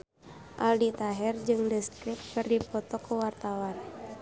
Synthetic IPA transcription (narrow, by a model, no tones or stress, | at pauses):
ʔa̰ldit̪aɦɛrd͡ʒɨŋdɛst̪ɾip̪̚kɨrdipɔt̪ɔkuwart̪awan